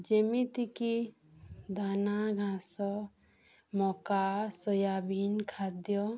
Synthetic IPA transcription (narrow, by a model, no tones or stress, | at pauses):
d͡ʒemit̪iki | d̪anaɡʱãsɔ | mɔkasɔjabinkʰad̪jɔ